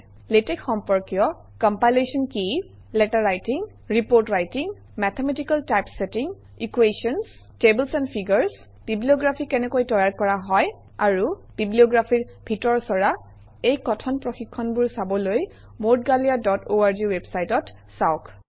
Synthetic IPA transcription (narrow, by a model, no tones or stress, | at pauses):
letɛkxɔmpɔɹkijɔ | kɔmpajlesɔnki | lɛtaɹajtiŋ | ɹipoɹtɹajtiŋ | mɛt̪ʰemɛtikaltajpsetiŋ | ikwesɔns | teblsɛnpʰiɡɔɹs | b̥ʱiblioɡɹapʰikɛnɛkojtɔjaɹkɔɹaɦɔj | aɹub̥ʱiblioɡɹapʰiɹ | bʱitɔɹsɔɹa | ejkɔtʰɔnpɹɔxikʰːɔnbuɹsabɔloj | motɡaliadɔtʰoaɹd͡ʒiwebsajtɔt | sawk